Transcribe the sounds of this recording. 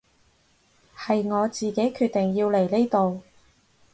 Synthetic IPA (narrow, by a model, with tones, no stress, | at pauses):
hɐ˨jŋɔː˨˧t͡siː˨ke˨˥jkʰyː˧t̚t̪e˨˩ŋjiː˧wle˨˩jle˥jt̪o˨w